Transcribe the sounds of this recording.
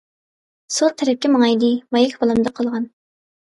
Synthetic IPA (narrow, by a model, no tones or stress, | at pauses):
sot̪ʰːɛɾɛp̚kʲɛmɑŋɑjd̪ɨmɑjɛkʲbolˠɨmd̪ɑqʰɑlˠʁɑn